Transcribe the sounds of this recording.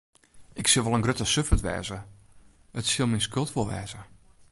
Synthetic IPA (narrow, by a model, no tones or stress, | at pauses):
ʔɪksɪlˠʋɔlˠənɡrøtəsøfətʋɛ̰ːzə | ətsɪlˠminskølˠtʋolˠʋɛːzə